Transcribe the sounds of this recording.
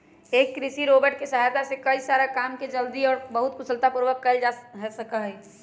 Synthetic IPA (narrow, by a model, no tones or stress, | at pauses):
eːkːɾɪsiɾoːbəɾʈ̚kesəɦat̪asekəisaːɾakaːmked͡ʒəld̪iɔːɾbəɦʊt̪kʊsəlt̪apuɾʋəkːəld͡ʒaɦɛsəkaɦɛ